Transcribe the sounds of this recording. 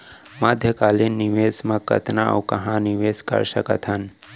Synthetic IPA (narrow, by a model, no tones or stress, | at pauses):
maːd̪ʱjəkaːlinːiʋeːsmakɐ̰t̪nao̰kɐɦãniʋeːskɐ̰ɾsəkə̰t̪ʰɦən